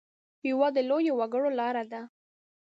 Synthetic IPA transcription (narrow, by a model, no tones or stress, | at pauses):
jawɑd̪əlojowaɡəɽolɑɾad̪a